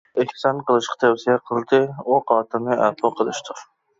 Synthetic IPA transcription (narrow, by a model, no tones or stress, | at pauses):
ɪhsɑnqəlˠɨʃqʰɑ̥t̪ʰɛwsijɛqʰəlˠd̪ɨuqʰɑːt̪ʰɨnɨʔæ̰qɑqʰəlˠɨʃt̪ʰʊɾ